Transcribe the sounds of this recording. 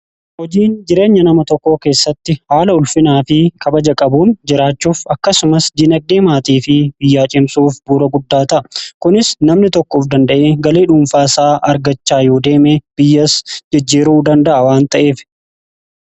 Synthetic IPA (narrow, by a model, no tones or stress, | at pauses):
hɔd͡ʒiːnd͡ʒɪɾe̞ːɲːɐnɐmɐt̪ɔkːo̞ːke̞ːsːɐt̪ːɪhaːlɐʊlfɪnaːfɪkʰɐbɐd͡ʒɐkʼɐbuːnd͡ʒɪɾaːt͡ʃːuːfɐkːɐsʊmɐsd͡ʒ̪ɪnɐɡ̚d̪e̞ːmaːt̪iːfɪbɪjːaːt͡ʃʼɪmsuːfbuːɾɐɡʊd̪ːaːt̪ɐʔɐkʊnɪsnɐmnɪt̪ɔkːoːfd̪ɐnd̪ɐʔeːɡɐleːᶑuːmfaːsaːʔɐɾɡɐt͡ʃːaːjo̞ːd̪e̞ːmeːb̥ɪjːɐsd͡ʒɪd͡ʒːiːɾuːd̪ɐnd̪ɐʔɐwaːnt̪ɐʔe̞ːf